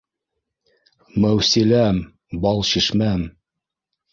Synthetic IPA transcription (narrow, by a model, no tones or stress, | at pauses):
mæwsilæm | bɑlˠɕiʃmæm